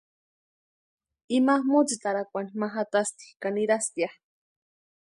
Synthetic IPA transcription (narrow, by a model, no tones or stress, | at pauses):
imahmot͡sit̪aɾakʷanimaɦat̪ast̪i̥kaniɾast̪iah